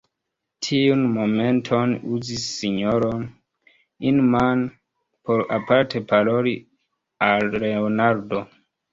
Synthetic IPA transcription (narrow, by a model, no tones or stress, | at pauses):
tʰiunmo̞me̞ntʰo̞nuzisːiɲoɾon | inman | po̞ɾapaɾtʰe̞paloɾi | alːe̞onaɾdo̞